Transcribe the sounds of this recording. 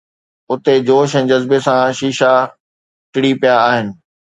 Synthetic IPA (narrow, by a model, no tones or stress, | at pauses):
ʊt̪ed͡ʑoːʃɛ̃ːd͡ʑɐzbesãʃiːʃa | ʈɪɽipijaːɦɪnɪ̆